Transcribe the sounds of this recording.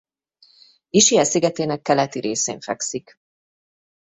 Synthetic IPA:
iʃijɛsiɡɛt̪eːnɛkːɛlɛt̪iɾeːsḛːɱfɛ̰ksik

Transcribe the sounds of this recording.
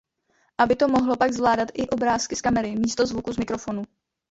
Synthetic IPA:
ʔabɪt̪o̞mo̞ɦlo̞paɡzvlaːdat̪ʔɪʔo̞bɾaːskɪskamɛɾɪmiːst̪o̞zvukuzmɪkɾo̞fo̞nu

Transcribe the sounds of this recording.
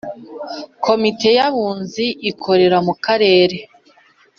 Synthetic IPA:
kʰo̞mite̞jaβuːnziʔːkʰo̞ɾe̞ɾamukaɾe̞ːɾe̞

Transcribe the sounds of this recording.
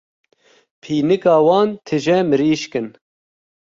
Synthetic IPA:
pʰiːnɨkɑːwɑːnt̪ʰɨʒɛmɨɾiːʃkɨn

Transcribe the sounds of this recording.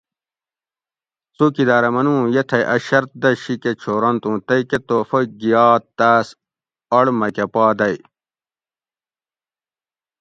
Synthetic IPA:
t͡soːkid̪aːɾɐmɐnũːjet̪ʰɐjʔɐ̰ɕɐɾt̪̚d̪ɐɕiket͡ɕʰoːɾɐnt̪ũːt̪ɐjket̪oːfɐɡijaːt̪t̪ːaːs | ɐɽmɐkepaːd̪ɐj

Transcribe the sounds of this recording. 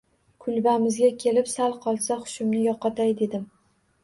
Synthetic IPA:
kʰʊlbamɪzɡʲakʲʰe̞lɪpsalˠqʰɒlˠsaχʊ̥ʃɪmnɪjɒqʰːɑt̪ʰajd̪e̞d̪ɪm

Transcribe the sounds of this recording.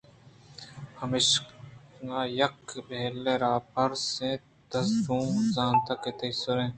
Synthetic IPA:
hɐmeːʃ | ŋaːjɐkbʱeːlːẽːɾaːpʰɐɾsẽ | t̪ɐsɾũːmzãːnt̪ɐket̪ɐjsːʊɾẽː

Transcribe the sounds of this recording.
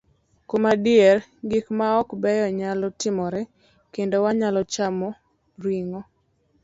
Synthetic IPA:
komadɪɛrɡikmaɔkbɛjɔɲalɔtɪmɔɾɛ | kendowaɲalɔt͡ʃamɔ | ɾiŋɔ

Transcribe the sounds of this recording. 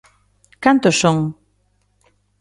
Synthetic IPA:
kant̪osoŋ

